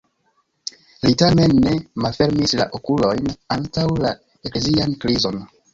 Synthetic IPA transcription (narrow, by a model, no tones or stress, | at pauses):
litame̞nːe̞malfe̞ɾmisla̰ʔo̞kulo̞jnantawla | e̞kle̞ziankɾizo̞n